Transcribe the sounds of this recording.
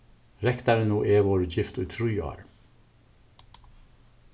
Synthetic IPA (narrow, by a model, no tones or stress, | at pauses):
ɾɛkt̪ɑɾənuːʔeːʋoːɾd͡ʒɪft̪ʉt̪ʰɾʉːɑ̰ːɾ